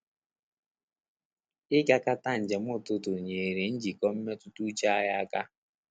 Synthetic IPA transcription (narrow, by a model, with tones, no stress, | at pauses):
ɪ˦ɡa˦ka˦ta˦n̩˨d͡ʒe˨m̩˦ʊ˦˨tʊ˦tʊ˨ɲe˨ɾe˨n̩˦d͡ʒi˨kɔ˦m̩˦me˦tʊ˦tu˦t͡ʃa˦a˦ja˦a˦ka˦